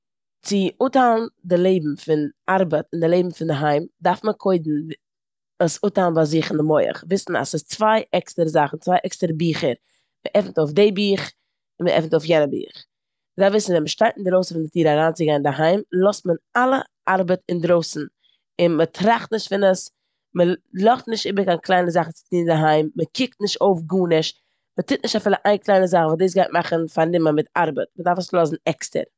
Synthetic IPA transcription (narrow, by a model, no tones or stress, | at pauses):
t͡sɪutalˠn̩dɪlˠeɪbm̩fɪnaɾbətɪndɪlˠeɪbm̩fɪndɪɦaɪmdaɾfməkʰoɪdn̩ | əsuːtalˠn̩bazɪχɪndɪmɔɪə̰χvɪsn̩a̰sɪst͡svaɪʔɛkstəɾəzaχn̩t͡svaɪʔɛkstəɾəbiːχəɾ | məʔɛfn̩toʊfdeɪbiːχ | ɪnməʔɛ̰fn̩toʊfjɛnəbḭːχ | mədafvɪsn̩vɛnməʃtaɪtn̩dɾoʊsn̩fɪndɪtiːɾaɾaːnt͡sɪɡaɪndɪɦaɪmlˠɔstmənalˠə | ʔaɾbətɪndɾoʊsn̩ | ɪnmətʰɾaχtnɪʃtfɪnəs | məlˠɔχtnɪʃtɪbəɾkanklˠaɪnəzaχn̩t͡sɪ̥tiːndɪɦaɪmːəkɪk̚tnɪʃtoʊfɡuːnɪʃ | mətɪt̚nɪʃtafiːlˠəʔaɪnklˠaɪnəzaχ̩valdiːsɡaɪt̚maχən̩faɾnɪməmɪtaɾbətmədaɾfəslˠɔs̬n̩ɛkstə̰ɾ